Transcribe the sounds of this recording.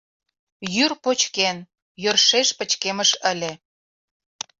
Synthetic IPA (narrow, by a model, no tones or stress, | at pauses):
jyrpot͡ɕken | jørʃeʃpə̆t͡ɕkeməʃəlʲĕ